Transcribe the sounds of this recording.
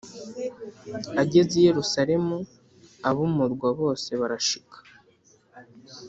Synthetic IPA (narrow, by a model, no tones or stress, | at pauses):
aɟe̞zije̞ɾusaɾe̞mu | aβumuɾɡwaβo̞ːse̞βaɾaʃi̥kḁ